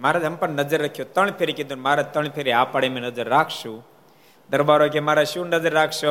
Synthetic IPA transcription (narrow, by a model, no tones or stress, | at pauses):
maːɾad̪ʱɐmpəɳnɐd͡ʒəɾːəkʰjot̪əɳ̃pʰeɾiked̪unmaːɾat̪əɳ̃pʰeɾiaːpaɽemẽnɐd͡ʒəɾːaːkʰʃũ | d̪ɐɾbaːɾokemaːɾaʃuːnəzəɾːaːkʰʃo